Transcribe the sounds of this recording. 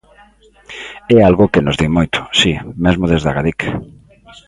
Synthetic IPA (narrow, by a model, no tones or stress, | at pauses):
ɛalɣʊkenʊzðimojt̪ʰʊ̥simezmoðezðaɣaðik